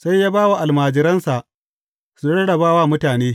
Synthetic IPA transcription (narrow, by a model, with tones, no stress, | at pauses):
sa˦jːaː˦baː˦wa˨ʔa˨lmaː˨d͡ʒɪ˦ɾɐ˦nsa˨ʔ | su˨ɽɐ˦ɽɐ˨baː˦waː˦mʊ˦taː˨neː˦